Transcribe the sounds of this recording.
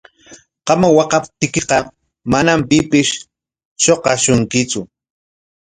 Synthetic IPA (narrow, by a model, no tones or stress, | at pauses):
qɑmawɑqɑp̚t̪ɪkɪqɑ | manampɪpɪʃ | ʃoqɑʃʊŋkɪt͡sʊ